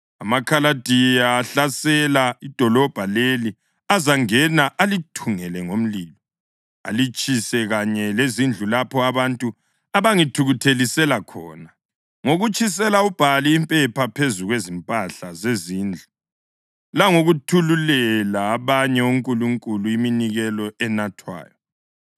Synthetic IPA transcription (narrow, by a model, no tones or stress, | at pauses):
amakʰalad̥ʱijaːɬasɛlaid̥ʱɔlɔb̥ʱaleli | azaŋɛnaʔalitʰuŋɛlɛŋom̩liːlɔ | a̰lit͡ʃʼisɛɣaɲɛlezind͡ɮʱulapʰɔaβantʼu | aβaŋitʰuɣutʰelisɛlakʰɔ̰ːna | ŋoɣut͡ʃʼis̬ɛlaub̥ʱaliːmpʼɛpʰapʰezuɣwezimpʼaɬazeziːnd͡ɮʱu | laŋoɣutʰululɛlaːβaɲɛuŋkʼuluŋkʼuluiminiɣɛlɔɛnatʰwa̰ːjɔ